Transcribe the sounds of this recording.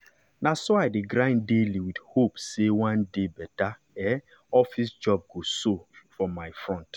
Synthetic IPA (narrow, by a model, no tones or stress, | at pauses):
nasoaɪdeɡɾãɪ̃ndeliwidhopsewãndebɛta | ɛ | ɔfisd͡ʒɔb̚ɡosofɔmaɪfɹɔ̃nt